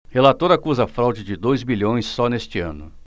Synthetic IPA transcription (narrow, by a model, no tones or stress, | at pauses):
helat̪oɾɐakuzɐfɾawd͡ʒɪd͡ʒɪd̪ojzbiʎõj̃sːɔnest͡ʃɪɐ̰̃nʊ